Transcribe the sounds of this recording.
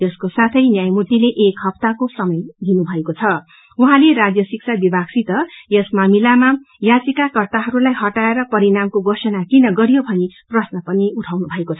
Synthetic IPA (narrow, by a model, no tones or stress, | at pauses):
ʌskosat̪ʰʌjnjajmut̪ileʔekɦʌbt̪akosʌmʌjd̪inubʱʌekot͡sʰʌ | uɦãleɾad͡zjʌsiksʰabibʱaɡsit̪ʌjʌsmamilama | jat͡sikakʌrt̪aɦʌɾulajɦʌʈaeɾʌpʌɾinamkoɡosʌnakinʌɡʌɾijobʱʌniprʌsnʌpʌniuʈʰawnubʱʌekot͡sʰʌ